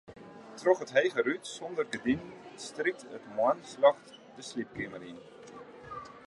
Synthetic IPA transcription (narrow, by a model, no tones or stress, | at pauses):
trɔχɦətɦejχərytsɔndərɡədinstrik̚tə̰tmwanslɑχtdəslip̚kiməɾin